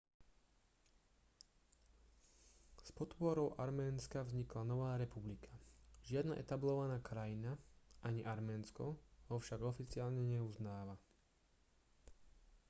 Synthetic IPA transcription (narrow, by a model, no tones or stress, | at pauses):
spɔt̪pʊɔɾɔʊʔaɾmɛːnskavzɲiklanɔʋaːɾɛpublikʰḁʒɪad̪na̰ʔɛ̰t̪ablɔʋanaːkɾajinaʔaɲiʔaɾmɛːnskɔɦɔfʃaɡɔfit͡sɪaːlɲɛɲɛuznaːʋa